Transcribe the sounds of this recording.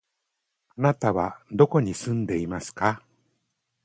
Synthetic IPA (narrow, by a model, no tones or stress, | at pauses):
anat̪aβad̪o̞ko̞ɲ̟isɨ̃nd̪e̞imasɨ̥ka